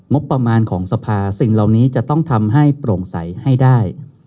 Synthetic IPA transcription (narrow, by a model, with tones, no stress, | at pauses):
ŋo˦˥pːɾa˧maː˧nkʰɔː˩˦ŋsa˧pʰaː˧si˨˩ŋla˨˩wniː˦˥t͡ɕa˨˩t̪ɔ˥˩ŋt̪ʰa˧mɦa˥˩jpɾoː˨˩ŋsa̰˩˦jha˥˩jdaː˥˩j